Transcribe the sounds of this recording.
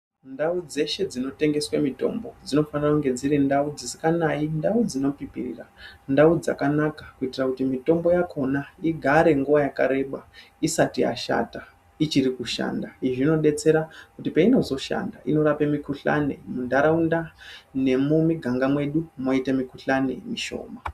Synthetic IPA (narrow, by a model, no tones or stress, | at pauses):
ndaud͡ze̞ʃe̞d͡zino̞te̞ŋɡe̞swamito̞̰mbo̞d͡zino̞fanirakuŋɡe̞d͡ziɾindaud͡zisikanaindaud͡zino̞pipḭrḭrandaud͡za̰kanakḁkuitirakutimito̞mbo̞jakʰo̞naiɡʱaɾe̞ŋɡuʋajakaɾe̞ɓa | isatia̰ʃa̰ta | it͡ʃirikuʃa̰ːndaiʐino̞ɗe̞t͡se̞ɾakutipaino̞zo̞ʃa̰nda̰ino̞ɾapemikuɬa̰nḛmundaɾaundane̞mumiɡʱaŋɡamwe̞ɗumo̞itemikuɬanḛmiʃo̰ːma